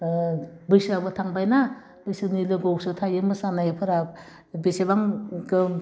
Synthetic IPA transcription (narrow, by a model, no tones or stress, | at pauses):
bɯjsabɯtʰaŋbajna | bɯjsɯnilɯɡowsɯtʰajɯmɯsanajepʰɯɾa | besebaŋɡɯ